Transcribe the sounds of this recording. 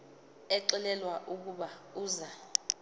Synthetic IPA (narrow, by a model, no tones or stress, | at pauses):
ɛǁilɛlwaʔuk̬ʼuɓauːza